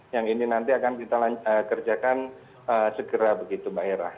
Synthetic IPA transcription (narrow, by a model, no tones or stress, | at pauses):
jaŋininant̪iakankit̪alaəkərd͡ʒakan | əsəɡəɾabəɡit̪ubaeɾa̰h